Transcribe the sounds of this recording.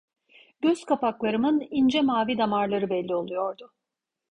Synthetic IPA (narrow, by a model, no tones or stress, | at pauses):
ɟ̥øz̥kʰapaklˠaɾɯmɯnind͡ʒɛmaːvid̪amaɾlˠaɾɯbɛlʲːio̞lˠujo̞ɾd̪ʊ